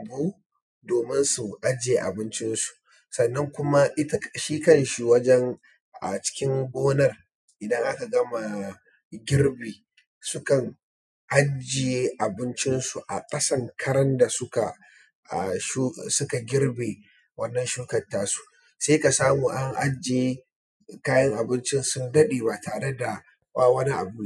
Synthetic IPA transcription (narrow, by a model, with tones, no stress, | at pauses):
a˨buː˦ | doː˨mɪ˦nsʊ˨ʔa˦d͡ʒɪ˨je˨ʔa̰˨bɪ˦nt͡ʃɪ˦nsu̥˨ | sɐ˨nːɐ˦ŋkʷʊ˦ma˦ʔɪ˦tʃiː˦kɐ˦˨nʃi˨wɐ˦d͡ʒɛ˦ŋ | ʔa̰˨t͡ʃɪ̥˦kʲɪ˦ŋɡʷoː˦nɐ˦r | ʔɪ˨dɐ˦ŋʔa˦ka˨ɡɐ˦ma˨ | ɡʲɪ˦rbeː˨ | sʊ˦kɐ˨ŋ | ʔa˦d͡ʒɪ˨je˦ʔa˨bɪ˦nt͡ʃɪ˦nsu˨ʔa̰˨kʼɐ˦sɐ˦˨ŋkʰɐ˦ɽɐ˦nda˨sʊ˦ka˨ | ʃu˦sʊ˦ka˨ɡʲɪ˦rbeː˨ | wɐ˦nːɐ˨nʃuː˦kɐ˨tːaː˦su̥˨ | seː˦ka˨saː˦muː˨ʔa˦ŋʔa˦d͡ʒe˨je˦ | kaː˦jɐ˦ŋʔa˨bɪ˦nt͡ʃɪ˦nsʊ˦ndɐ˦ɗeː˨ba˨taː˨ɽe˦da˨ | baː˦wɐ˦ni˦ʔa̰˨buː˦